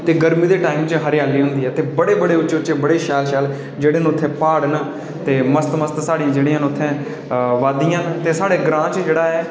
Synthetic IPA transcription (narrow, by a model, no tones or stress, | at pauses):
t̪eːɡəɾmĩːd̪eːʈaːimt͡ʃəɦəɾɪjaːliːɦʊ̃nd̪iːɦɛːt̪eːbəɽeːbəɽeːʊt͡ʃːt͡ʃeʊt͡ʃːeːbəɽeːʃɛːlʃɛːl | d͡ʒeːɽeːñːʊt̪ʰːẽːpaːɽn | t̪eːməst̪məst̪saːɽĩːd͡ʒeːɽiːãːnʊt̪ʰːɛ̃ː | ʋaːd̪ijãːt̪eːsaːɽeːɡɾãːt͡ʃd͡ʒeːɽaːɛː